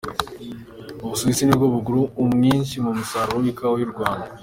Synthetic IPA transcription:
uβusuβisinibɡoβuɡuɾuːmŋiːnʃimumusaɾowikawojuɾɡwaːnda

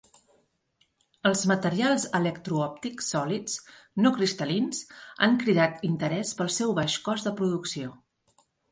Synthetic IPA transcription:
əlˠzmət̪əɾialˠzələkt̪ɾuɔp̚t̪iksːɔlit͡snokɾist̪əlinza̰ŋkɾiðat̪int̪əɾɛspəlˠsɛwβaʃkɔzðəpɾuðuksio

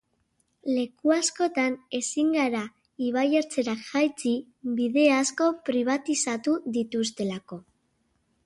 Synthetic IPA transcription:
le̞kuasko̞t̪ane̞siŋɡaɾa | iβ̞ajeɾt͡se̞ɾakʝajt͡si | biðe̞asko̞pɾiβ̞at̪isat̪uðit̪ust̪e̞lako̞

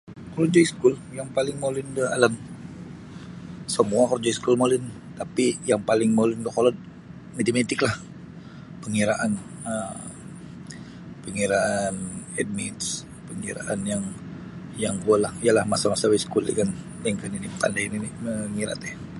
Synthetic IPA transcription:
kolod͡ʒaiskʊljaŋpalɪŋmolɪndəa̰lam | səmuakəld͡ʒaiskulmolɪn | t̪apijaŋpalɪŋmolɪndəkolɔd̚ | mit̪imet̪ɪklah | pəŋiɾaʔanə | pəŋiɾaʔanɛd̚mit̪s | pəŋiɾa̰ʔanjaŋ | jaŋkualahijalahmasamasawaisə̥kulḭkan | dɛŋkaninipa̰ndajiniməŋiɾa̰t̪ɛ

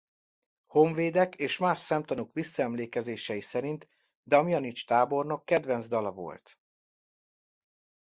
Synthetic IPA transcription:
ho̞ɱveːd̪ɛkeːʃmaːʃsɛmt̪ɒnokʋisːɒɛmleːkɛzeːʃɛjisɛɾint̪ | d̪ɛɒmijɒnit͡ʃt̪aːbo̞rno̞kːɛd̪vɛnzd̪ɒlɒvo̞̰lt̪

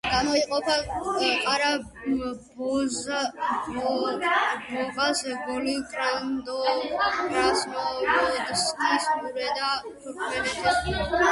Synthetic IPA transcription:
ɡ̥amɔiqʼɔpʰaqʼaɾa | bɔz | bɔbasɡɔlikʼɾand̪ɔkʼɾasnɔɾɔd̪skʰʼismuɾɛd̪at̪ʰuɾkʰmɛnɛt̪ʰɛs

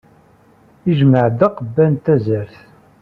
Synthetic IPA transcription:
iʒməʕd̪æqəbːænt̪æzəɾθ

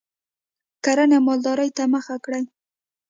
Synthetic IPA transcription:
kaɾanamɑld̪ɑɾajt̪aməxakɽaj

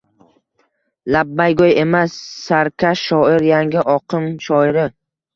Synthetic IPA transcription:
labːajɡoje̞masːaɾkʲʰaʃɒɪɾjaŋɡʲɪʔɒqʰɨmʃɒɪɾɪ

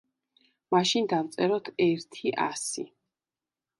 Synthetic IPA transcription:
maʃind̪avt̪sʼɛɾɔt̪ʰɛɾt̪ʰiʔasi

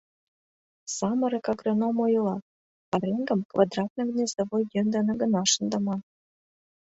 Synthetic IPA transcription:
sɑmɤ̆ɾĕkɑɡrɤ̆nomojɤlˠɑ | p̪ɑɾeŋɡə̆mkvɑd̪rɑt̪nɤ̆knʲezɤ̆βojːønd̪ɑnɤ̆ɡɤ̆nɑʃə̆nd̪ɑ̆mɑn

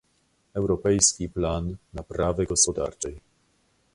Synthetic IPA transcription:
ɛwɾɔpɛjskʲiplanːapɾavɘɡɔspɔd̪a̰ɾt͡ʂɛj

